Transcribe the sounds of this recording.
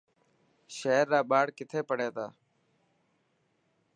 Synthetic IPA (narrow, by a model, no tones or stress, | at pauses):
ʃeːɾːaːɓaːɽkɪt̪ʰeːpəɽeːt̪aː